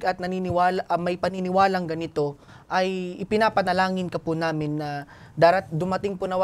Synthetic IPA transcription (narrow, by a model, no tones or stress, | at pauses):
ɡɐt̪̚nɐninɪwaːlaʔmɐjpɐnɪnɪwaːlɐŋɡɐnɪt̪o̞ | ʔɐjɪpɪnaːpɐnɐlaːŋɪnkɐpʊnaːmɪnːɐ | d̪aːɾɐt̪̚d̪ʊmɐt̪ɪŋpʊnɐw